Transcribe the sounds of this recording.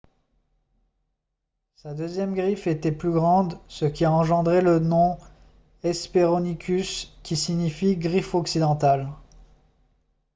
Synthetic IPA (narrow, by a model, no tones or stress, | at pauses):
sad̪øzjɛmɡʁifet̪ɛplyɡʁɑ̃d̪səkʲiaɑ̃ʒɑ̃d̪ʁelənɔ̃ | ɛspeʁɔnikʲʰyskʲisiɲifiɡʁifɔksid̪ɑ̃t̪al